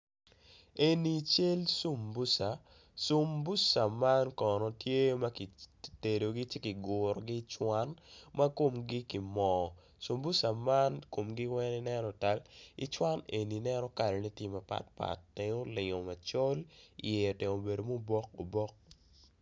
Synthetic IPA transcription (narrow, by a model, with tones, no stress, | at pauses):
e˨ni˨t͡ʃe˦lsu˦mbu˦sa˨ | su˦mbu˦sa˨ma˦nkɔ˨nɔ˨tje˦ma˦ki˨te˨do˨ɡi˦t͡ʃe˦kɪ˨ɡʊ˨ɾɔ˨ɡi˦t͡ʃwa˦nma˦ko˦˨mɡi˦ki˨mɔ˨ | su˨mbu˦sa˨ma˦nko˨mɡi˦wɛ˦ni˦nɛ˦nɔ˨ta˨lḭ˨t͡ʃwa˦ne˨ni˨nɛ˦nɔ˦ka˨ɾɛ˨ni˦tje˦˨ma˨pa̰˨t̚pa̰˨tːe˨ŋo˦lɪ˨ŋo˨ma˨t͡ʃo˦lḭ˨je˨te˨o˨be˨do˨mo˦bɔ˦ko˨bɔ˦k̚